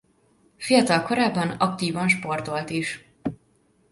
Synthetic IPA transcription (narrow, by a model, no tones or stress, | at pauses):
fijɒt̪ɒlko̞ɾaːbːɒnɒkt̪iːvɒnʃpo̞rt̪o̞lt̪iʃ